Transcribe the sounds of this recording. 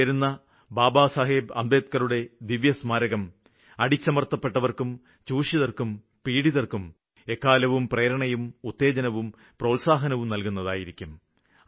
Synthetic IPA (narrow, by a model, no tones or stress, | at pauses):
ɐɾunːɐ | baːbaːsaːɦeːbɐmb̪eːt̪̚kɐɾuɽe̞d̪iʋjɐsmaːɾɐɣɐm | ɐɽit͡ɕːɐmɐrt̪ːɐpːe̞ʈːɐʋɐrkum | t͡ɕuːʂiðɐrkum | piːɽiðɐrkum | e̞kːaːlɐʋumpreːɾɐɳɐjumut̪ːe̞ːd͡ʑɐnɐʋum | pro̞ːlsaːɦɐnɐʋumnɐlkunːɐðaːjiɾikʲːum